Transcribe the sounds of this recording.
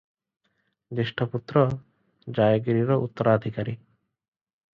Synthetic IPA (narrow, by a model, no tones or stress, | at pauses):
d̪eʃʈʰaput̪ːɾo | d͡ʑajoɡiɾiɾoʔut̪ːoɾaːd̪ʱikaɾi